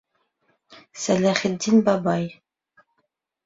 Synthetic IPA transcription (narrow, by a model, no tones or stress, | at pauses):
sælæχɘ̆d̪ːinbɑbɑj